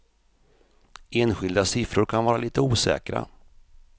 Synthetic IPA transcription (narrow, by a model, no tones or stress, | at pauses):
ʔeːnɧɪld̪asɪfɾʊɾkʰanvɑːɾaliːt̪əuːsɛ̰ːkɾa̰